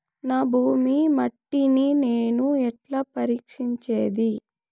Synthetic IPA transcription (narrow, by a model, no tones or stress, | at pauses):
naːbʱuːmimɐʈːinineːnuɛʈlaːpɐɾiːkʂiɲt͡ʃeːd̪i